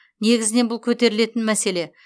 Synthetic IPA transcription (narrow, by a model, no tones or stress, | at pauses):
ne̞ɡʲɪzɪne̞nbʊlˠkʲʰɵt̪e̞ɾɪle̞t̪ɪnmæse̞le̞